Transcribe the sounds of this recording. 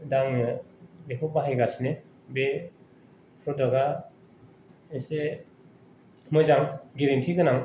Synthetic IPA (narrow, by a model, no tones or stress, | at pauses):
daŋ | bekʰubaɦajɡasne | be | pʰɾɔdaɡa | ese | mɯjzaŋɡeɾintʰiɡɯnaŋ